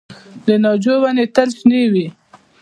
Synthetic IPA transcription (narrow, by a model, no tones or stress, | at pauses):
d̪ənɑd͡ʒowanet̪alsnewi